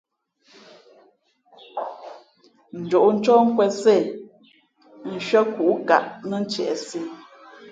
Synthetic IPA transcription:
n̩˨d͡ʒo˨ʔn̩˦t͡ʃɔ˦ŋ̩˦kwɛ˨se˦˨ | ʃɥə˦ku˨ʔka̰˨ʔnə˦n˦t͡ʃɛ̰˨ʔsi˦˨

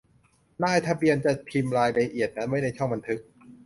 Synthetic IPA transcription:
naː˥˩jt̪ʰa˧bi˧ənt͡ɕa˨˩pʰi˧mɾaː˧jɾa˧ʔi˨˩ət̪̚na˦˥nma˥˩jna˧jt͡ɕʰɔ˥˩ŋba˧nt̪ʰɯ˦˥k̚

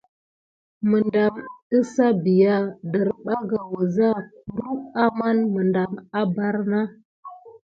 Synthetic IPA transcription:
mə˨nda˨mə˦sa˦bi˨ja˦də˨ɾɓa˦ɡa˨wə˨za˦k̚u˨ɾu˦a˦ma˦nmə˨nda˨ma˦ba˦ɾna˦

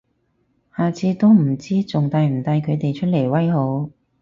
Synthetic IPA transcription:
haː˨t͡sʰiː˧t̪o˥wm̩˨˩t͡siː˥t͡sʊ˨ŋt̪aː˨˧jm̩˨˩t̪aː˧jkʰɵ˨˧t̪e˨jt͡ʃʰɵ˥t̚le˨˩jwɐ˥jho˨˧˥w

